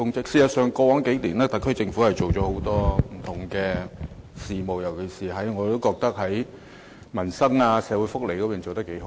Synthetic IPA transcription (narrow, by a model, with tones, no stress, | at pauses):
ʊ˥ŋkɪ˥ksiː˨˧jɐ˨t̚sœː˨ŋkɔː˧wɔː˨˥ŋke˨˥jliː˨˩naː˥t̪ɐ˨˥kʰɵ˥jt͡sɪ˧ŋfuː˨˥hɐ˨jt͡ʃo˨wt͡ʃɔː˨˥ho˨˥wt̪ɔː˥m̩˨˩t̪ʰʊ˨˩ŋkɛː˧siː˨mo˨wjɐ˨˩wkʰe˨˩jsiː˨˩ɦɐ˨˥jŋɔː˨˧t̪o˥wkɔː˧k̚t̪ɐ˥k̚hɐ˨˥j | mɐ˨˩nsɐ˥ŋaː˧sɛː˨˧wuː˨˥jfʊ˥k̚le˨˩jkɔ˨˧piː˨˩nt͡so˨wt̪ɐ˥ke˨˥jho˨˧